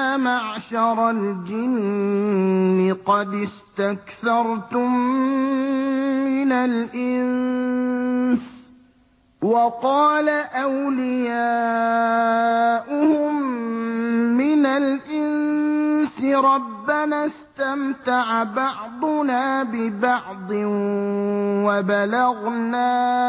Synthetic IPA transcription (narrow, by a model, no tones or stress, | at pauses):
amaʕʃɑɾˤɑld͡ʒɪn | ɪqɑd̪ɪst̪akθɑɾˤt̪ʊm | ɪnalʔɪn | s | wɑqɑːlaʔawlɪjaː | ʔʊhʊm | mɪnalʔɪn | sɪɾˤɑbːanaːst̪amt̪aʕabɑʕd̪ˤʊnaːbɪbɑʕd̪ˤɨ | wabalaɣnaː